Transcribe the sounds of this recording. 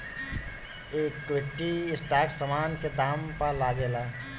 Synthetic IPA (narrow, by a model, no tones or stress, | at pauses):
eːkːʋeʈiɪsʈaːksəmaːnked̪aːmpəlaːɡela